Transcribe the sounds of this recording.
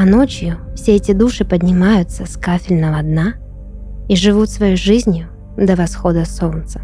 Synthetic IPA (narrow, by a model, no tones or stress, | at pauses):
ɐno̞t͡ɕjʊfsʲeɛtʲɪd̪uʂɨpədʲnʲɪmajʊt̪səskafʲɪlʲnəvɐd̪na | iʐɨvut̪svɐjojʐɨzʲnʲjʊ | d̪əvɐsxod̪əsolnt̪sə̥